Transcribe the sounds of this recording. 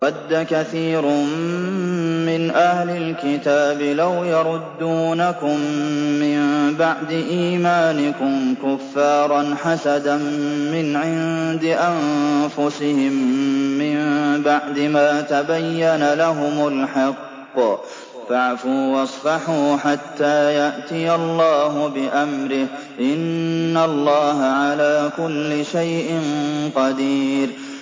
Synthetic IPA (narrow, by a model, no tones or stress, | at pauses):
ɑd̪ːakaθiːɾʊmː | ɪnʔahlɪlkɪt̪aːbɪlawjɑɾˤʊd̪ːuːnakʊmːɪmbaʕd̪ɪʔiːmaːnɪkʊmkʊfːɑːɾˤɑnħasad̪anːɪnʕɪnd̪ɪʔanfʊsɪhɪmːɪmbaʕd̪ɪmaːt̪abajːanalaɦʊmʊlħɑqː | faʕfuːwɑsˤfɑħuːħat̪ːaːjaʔt̪ɪjalˤːɑːɦʊbɪʔamɾɪh | ʔɪnːalˤːɑːɦaʕalaːkʊlːɪʃajʔɪnqɑd̪iːɾ